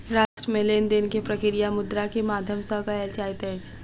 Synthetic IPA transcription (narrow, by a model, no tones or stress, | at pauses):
ɾaːʃʈɾəmẽleːnd̪enkepɾəkɪɾijamʊd̪ɾakemaːd̪ʱjəmsəɦkaɛt͡ʃaːit̪ɛt͡ʃʰ